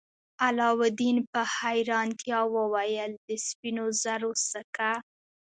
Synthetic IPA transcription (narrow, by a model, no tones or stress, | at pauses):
alɑwʊd̪inpəhajɾɑnt̪jɑwəwajəld̪əspinozaɾosəka